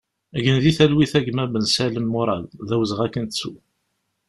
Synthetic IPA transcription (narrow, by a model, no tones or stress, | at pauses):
æʝənðiθælwiθæʝmæbənsæləmːʊɾˤɑ̰lðæwzəʁækːənt̪t͡sːu